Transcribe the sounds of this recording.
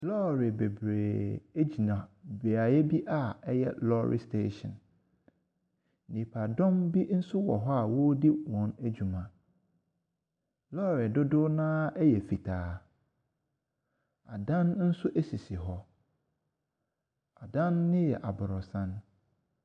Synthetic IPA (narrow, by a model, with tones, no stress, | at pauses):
lɔ˦ɾɪ˨be˨bɾeː˨e˦d͡ʑi˨nã˨be˨a˨jɛ˦bi˦ʔa˦˨ɛ˦jɛ˦lɔ˦ɾɪ̰˨stʰḛ˦ʃɔ̰̃˨n | nĩ˨pʰa˨dɔ̃˦mbi˦n̩˦sʊ˦wɔ˨ɦɔ˦a˨wo˦di˦wɔ̃˨˦næ˦d͡ʑu˨mã˨ | lɔ˦˨ɾɪ˨dʊ˦dʊ˦nãː˦ɛ˦jɛ˨fi˨tʰaː˨˦ | a˨dã˦nn̩˦sʊ˦ʔæ˦si˨sɪ˨ɦɔ˦ | a˨dã˦nːɪ̃˦jɛ̰˨ʔa˨bʊ˨ɾʊ˨sã˦n